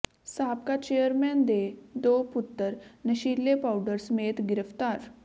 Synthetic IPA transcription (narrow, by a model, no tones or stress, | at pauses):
sapkat͡ɕejəɾmɛnd̪ed̪oput̪ːəɾnəɕiɾlːepawɖəɾsəmet̪ɡiɾəft̪aɾ